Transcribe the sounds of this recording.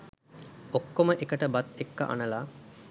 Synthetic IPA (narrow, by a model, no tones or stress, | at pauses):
okːoməʔekəʈəbat̪ekːə̰ʔa̰nəlaː